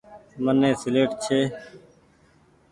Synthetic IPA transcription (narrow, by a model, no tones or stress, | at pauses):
mənːẽːsɪleːʈt͡ʃʰeː